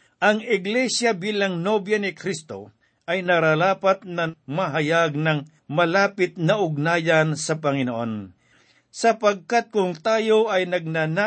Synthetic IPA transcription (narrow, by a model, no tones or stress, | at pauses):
ʔɐŋɪɡlɛsjɐbiːlɐŋnobjɐnɪkɾist̪o̞̰ | ʔɐjnɐɾalaːpɐt̪̚nɐmɐɦɐjaɡ̚nɐŋ | mɐlaːpɪt̪̚nɐʔʊɡ̚naːjansɐpɐŋɪnoʔon | sɐpɐɡ̚kat̪̚kʊŋt̪aːjo̞ʔɐjnɐɡ̚nana